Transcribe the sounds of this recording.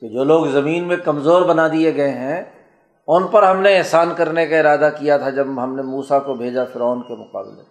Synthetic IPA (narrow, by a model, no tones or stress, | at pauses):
ked͡ʒoːloːɡzɐmiːnmẽkɐmzoːɾbɐnad̪ieɡɐeɦɛ̃ | ʊnpɐɾɦɐmneɪɦsaːnkɐɾnekaɪɾaːd̪akijat̪ʰad͡ʒɐbɦɐmnemuːsakobʱeːd͡ʒafɪɾɔːnkemʊqa̰ːblḛ